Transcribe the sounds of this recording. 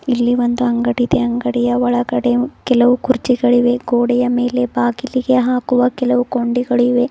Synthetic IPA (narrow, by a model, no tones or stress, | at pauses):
ilːiʋond̪uɐŋɡɐɽid̪eɐŋɡɐɽɛjɐʋɔɭɐɡɐɽe̞kɛlɐʋukuɾt͡ʃiɡɐɭiʋe̞ɡoːɽɛjɐme̞ːle̞baːɡiliɡeɦaːkuʋɐkɛlɐʋukoɳɖiɡɐɭiʋe̞